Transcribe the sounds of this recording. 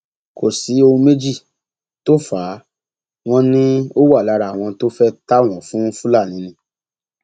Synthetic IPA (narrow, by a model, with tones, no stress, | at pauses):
ko˨si˨˦o˧ũ˧me˦d͡ʒi˦˨ | to˦faː˨˦ | w̃ɔ̃˦nĩ˦o˦wa˦˨la˧ɾa˨w̃ɔ̃˧to˦fɛ˦ta˦˨w̃ɔ̃˨fũ˦fũ˦la˦˨nĩ˨˦nĩ˧˦